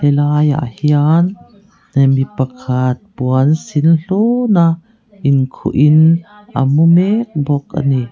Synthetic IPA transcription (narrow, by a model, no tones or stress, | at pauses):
elaːja̰ʔhianː | emipɐkʰat̪̚puansinɬona | ʔinkʰṵʔinʔa̰mumek̚bɔk̚ʔa̰ni